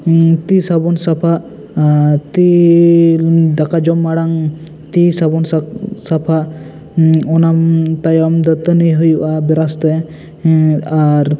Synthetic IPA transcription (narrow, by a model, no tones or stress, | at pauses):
t̪isabɔnsapʰa | t̪i | d̪akad͡ʒɔmːaɽaŋ | t̪isabɔnsapʰa | ɔnamt̪ajɔmd̪ət̪əniɦujuʔabɛɾast̪ɛ | aɾ